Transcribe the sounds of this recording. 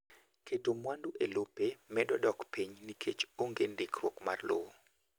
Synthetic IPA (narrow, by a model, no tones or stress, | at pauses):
kʰetomwanduʔelopemɛdɔdɔkpiɲnikʰet͡ʃoŋɡendɪkrwokma̰rlo̰wo